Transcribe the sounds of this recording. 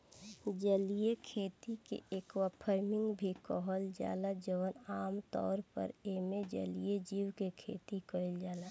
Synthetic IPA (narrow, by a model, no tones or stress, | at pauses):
d͡ʒəliekʰeːt̪ikḛʔeːkwapʰəɾmɪ̃ŋɡbʱikɔɦəld͡ʒa̰ːlad͡ʒəwənaːmt̪ɔ̰ːɾpə̰ɾemed͡ʒə̰lied͡ʒiːwkekʰḛːt̪ikɔɪld͡ʒaːla